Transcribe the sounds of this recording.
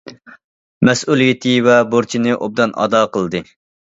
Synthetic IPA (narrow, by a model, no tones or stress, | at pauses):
mɛsulˠijit̪ʰɪvɛboɾt͡ʃʰinɨʔob̚d̪ɑnʔɑ̰d̪ɑːqəlˠd̪ɨ